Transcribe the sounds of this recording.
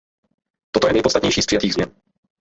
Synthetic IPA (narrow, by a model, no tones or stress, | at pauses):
t̪ot̪ojɛnɛjpost̪at̪ɲɛjʃiːspr̥ɪjat̪iːɣzmɲɛn